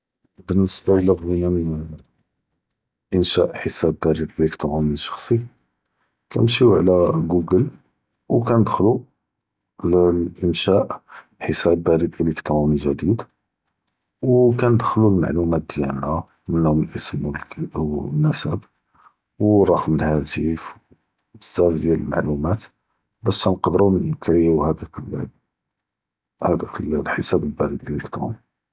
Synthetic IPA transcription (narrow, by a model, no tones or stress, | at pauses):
bənːəsbaəlæfɣinæmən | ʔənʃæʔħəsæbːæɾid̪ʔələkt̪ɾumiʃɑ̥xsˤi | kʰæ̰nmʃiʕlæɡuɡəl | wkænəd̪xlu | ʕlʔənʃæʔ | ħəsæbːæɾid̪ʔələkt̪ɾˤumiʒæd̪id̪ | wkænəd̪xlulma̰ʕlumæt̪̚d̪jælnæ | mənːhʊməlʔəsmwwnːəsəb | wrˤːɑqməlhæt̪if | bəzːæfd̪jæləlma̰ʕlumæt̪ | bæʃːænqd̪əɾunənkɾiuhæd̪ækl | hæd̪ækəlħəsæbəlbæɾəd̪ʔələkt̪ɾṵni